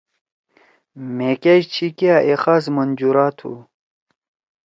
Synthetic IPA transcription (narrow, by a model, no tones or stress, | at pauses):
mekeɕt͡ɕʰikjaʔexazmɐnd͡ʑuɾaːt̪ʰṵ